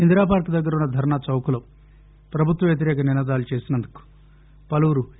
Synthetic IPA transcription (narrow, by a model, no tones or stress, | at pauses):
ind̪ɾaːpaːɾkud̪ɐɡːɐɾɐunːɐd̪ʱɐɾɐɳat͡ʃɐwkuloː | pɾɐbʱut̪ʋɐmʋjɐt̪̬iɾɛːkɐninaːd̪aːlut͡ʃe̞ːsinɐnd̪uku̥ | pɐluuɾu